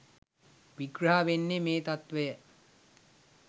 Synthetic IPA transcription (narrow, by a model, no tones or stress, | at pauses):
ʋiɡɾəɦaʋenːemeːt̪at̪ʋəjə